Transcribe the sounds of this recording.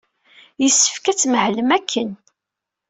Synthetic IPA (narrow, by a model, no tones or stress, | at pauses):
jəsːə̥fkæt͡sːməhləmækʰːən